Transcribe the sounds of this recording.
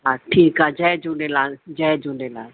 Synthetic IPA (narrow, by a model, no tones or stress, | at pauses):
ɦaːʈʰiːkaːd͡ʒɛːd͡ʒuːɖeːlaːd͡ʒɛːd͡ʒuːɖeːlaː